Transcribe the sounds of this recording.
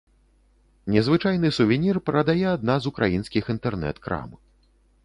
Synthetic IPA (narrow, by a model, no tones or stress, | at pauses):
nʲɛzvɨt͡ʂajnɨsuvʲɛnʲirpɾɐd̪ajɛad̪nazukɾʔa̰jinskʲixint̪ɛrnɛ̰t̪kɾa̰mɨ